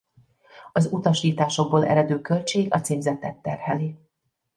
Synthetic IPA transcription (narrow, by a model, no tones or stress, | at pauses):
ɒzut̪ɒʃiːt̪aːʃo̞ɡ̚boːlʔɛ̰ɾɛd̪øːkø̞lʲt͡ʃeːɡɒt̪seːmzɛt̪ːɛt̪ːɛ̰rhɛliː